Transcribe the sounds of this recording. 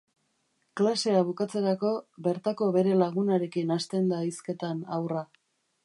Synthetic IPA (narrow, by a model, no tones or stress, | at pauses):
klase̞aβ̞ukat͡se̞ɾako̞βe̞ɾt̪ako̞βe̞ɾe̞laɣunaɾe̞kinast̪e̞nd̪aiske̞t̪anawra